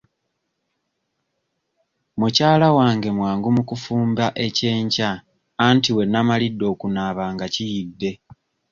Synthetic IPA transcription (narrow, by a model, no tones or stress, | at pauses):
mucaːlawaːŋɡe̞mwaːŋɡumukufuːmbaʔe̞ce̞ːɲcaː | ntiwe̞nːamalidːo̞ːkunaːβaːŋɡacijidːe̞